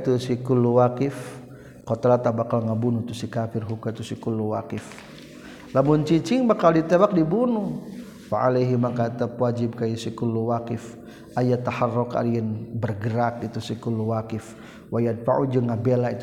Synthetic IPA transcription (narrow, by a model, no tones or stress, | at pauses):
t̪usikulːuwakɪf | kɔt̪alat̪abakalŋabunut̪usikafɪrɦukat̪usikulːuwakɪf | lamunt͡ʃit͡ʃɪŋbakaldit̪ebak̚dibunu | waʔalajɦimakat̪apwad͡ʒɪb̚kajisikulːuwakɪf | ʔajat̪aharːɔka̰liɛnbərɡəɾak̚it̪usikulːuwakɪf | wajad̚faʔud͡ʒəŋabelait̪